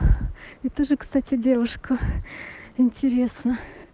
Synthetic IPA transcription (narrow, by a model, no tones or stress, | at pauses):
ɪt̪oʐɨkst̪atʲɪdʲe̞vʊʂkʊ | ɪnʲtʲɪɾʲe̞snə